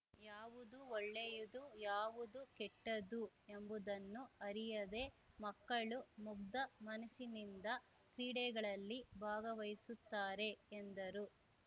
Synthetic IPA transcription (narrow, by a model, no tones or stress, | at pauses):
jaːʋud̪uoɭːejud̪ujaːʋud̪ukɛʈːɐd̪ue̞mbud̪ɐnːuɐɾijɐd̪e̞ | mɐkːɐɭumuɡd̪ɐmɐnɐsinind̪ɐ | kɾiːɽɛɡɐɭɐlːibʱaːɡɐʋɐjsut̪ːaːɾe̞end̪ɐɾu